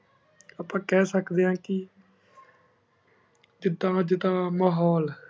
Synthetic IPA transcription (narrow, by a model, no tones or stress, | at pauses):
aːpãːkɛːsəkd̪eːãːkɪ | d͡ʒɪd̪ːãːd͡ʒɪd̪ãːmaːɦɔːl